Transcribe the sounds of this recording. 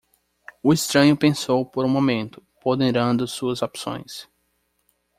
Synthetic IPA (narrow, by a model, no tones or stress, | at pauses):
ʊɪst̪ɾɐ̃ɲʊpẽsowpoɾũmomẽnt̪ʊ̥pod̪eɾɐ̃nd̪ʊsuɐzopsõ̰j̃s